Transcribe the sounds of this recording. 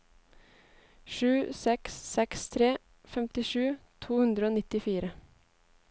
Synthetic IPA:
ʃʉːsɛksːɛkst̪ʰɾeː | fɛmt̪ɪʃʉːt̪ʰuːhʉnd̪ɾəoːnɪt̪ɪfiːɾə

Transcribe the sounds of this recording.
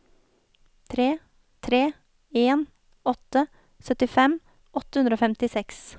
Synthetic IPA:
t̪ʰɾeː | t̪ʰɾeː | eːn | ɔt̪ə | sœt̪ɪfɛm | ʔɔt̪əhʉnd̪ɾoːfɛmt̪ɪsɛks

